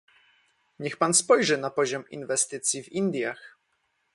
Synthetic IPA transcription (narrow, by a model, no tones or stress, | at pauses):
ɲɛxpanspɔjʐɛnapɔʑɔmḭnvɛst̪ɘt̪sʲjivind̪ʲjax